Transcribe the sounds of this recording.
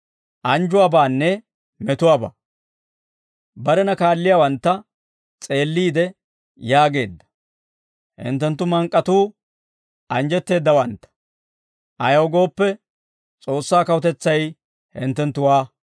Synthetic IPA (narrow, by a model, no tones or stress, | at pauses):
ʔɐnd͡ʒʊwaːbaːnːɛ | mɛt̪ʊwaːba̰ː | bɐɾɛnɐkaːlːɪjawɐnt̪ːɐ | t͡sʼe̞ːlːiːd̪ɛ | jaːɡe̞ːd̪ːɐ̥ | hɪ̰nt̪ːɛnt̪ːʊmɐŋkʼːɐt̪uː | ʔɐnd͡ʒɛt̪ːe̞ːd̪ːɐwɐnt̪ːɐ̥ | ʔɐjɐwɡo̞ːpːɛ | t͡sʼo̞ːsːaːkɐwt̪ɛt͡sːɐj | hɪ̰nt̪ːɛnt̪ːʊwaː